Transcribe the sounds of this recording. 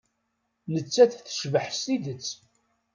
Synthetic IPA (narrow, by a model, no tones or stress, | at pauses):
nət͡sːæθθə̥ʃvəħst̪id̪ət͡sː